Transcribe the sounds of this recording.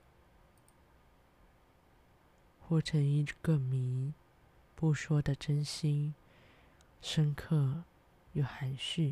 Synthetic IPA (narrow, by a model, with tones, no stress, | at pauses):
xwɔ˥˩ʈ͡ʂʰə˧˥ŋi˧˥ɡ̥ə˧mi˧˥˦ | pu˥˩ʂwɔ˥d̪ə˨ʈ͡ʂə˥nɕi˥n | ʂə˥ŋkʰɤ˥˩ | jo˨˩ʊxa˨˥nɕy˥˩